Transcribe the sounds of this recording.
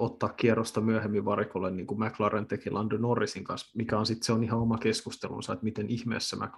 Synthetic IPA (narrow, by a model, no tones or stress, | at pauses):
ot̪ːɑːkkierost̪ɑmyæhemːiʋʋɑrikolːenniːŋkumæklɑrent̪ekilʔɑndønorːisiŋkɑnsmikæonsit̪seonihɑomɑkeskust̪elṵnsɑet̪mit̪enʔihmḛːsːæmʔæ̰k